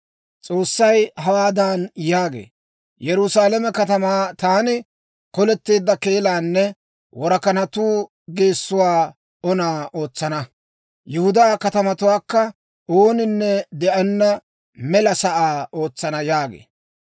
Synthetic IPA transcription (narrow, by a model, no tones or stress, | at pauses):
t͡sʼo̞ːsːɐjɦɐwaːd̪aːnjaːɡḛː | jɛɾʊsaːlɐmɛkɐt̪ɐmaːt̪aːnɪ | kɔlɛt̪ːe̞ːd̪ːɐke̞ːlaːnːɛ | wɔɾɐkɐnɐt̪uː | ɡeːsːʊwaː | ɔnaːʔo̞ːt͡sːɐnɐ | jʊhʊd̪aːkɐt̪ɐmɐt̪ʊwaːkːɐ | ʔoːnɪnːɛd̪ɛʔɐnːɐ | mɛlɐsɐʔaːo̞ːt͡sːɐnɐjaːɡḛː